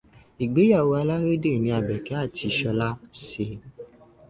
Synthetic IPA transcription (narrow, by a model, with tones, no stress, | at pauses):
i˨ɡ͡be˨˦ja˦˨wo˧a˧la˦ɾe˦de˦˨nĩ˧a˨bɛ˨kɛ˨˦a˦˨tʰi˧ʃɔ˧la˦se˧˦